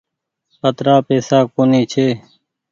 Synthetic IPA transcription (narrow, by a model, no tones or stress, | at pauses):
ət̪ɾaːpeːsaːkoːniːt͡ʃʰeː